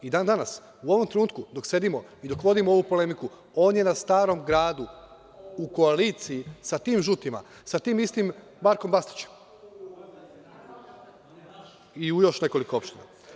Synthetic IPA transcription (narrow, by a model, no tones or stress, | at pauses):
id̪aːnd̪anas | uo̞ʋo̞mt̪ɾenuːt̪kud̪o̞kse̞d̪imo̞id̪o̞kʋo̞d̪imoo̞ʋuːpo̞le̞miku | o̞ːnje̞nast̪aːɾo̞mɡɾaːd̪u | uko̞aliːt̪sijisat̪iːmʒut̪ima̰ | sat̪iːmist̪imː | aɾko̞mbast̪i̥t͡ɕe̥m | iujo̞ʃne̞ko̞liko̞o̞pʃt̪ina̰